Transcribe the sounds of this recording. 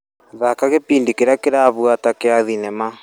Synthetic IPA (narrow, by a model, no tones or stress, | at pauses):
ðakaɣepiːndikeɾakeɾaβwatakeaðinɛma